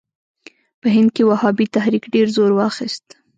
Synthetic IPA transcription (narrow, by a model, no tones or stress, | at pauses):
pəɦɪnd̪̚kewahɑbit̪ahɾikɖeɾzoɾwɑxist̪